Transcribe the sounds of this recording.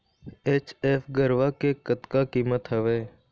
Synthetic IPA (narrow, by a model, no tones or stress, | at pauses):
eːt͡ʃeːfɡəɾʋakekət̪kaːkiːmət̪ɦəʋeː